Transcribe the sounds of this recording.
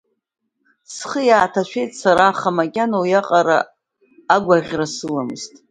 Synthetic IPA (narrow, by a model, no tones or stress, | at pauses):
sχəjaːtʰaʃʷᶣe̞jtʼsaɾaχamakʲʼanojaqʼaɾa̰ː | ɡʷaʁʲrasɨlamɨztʼ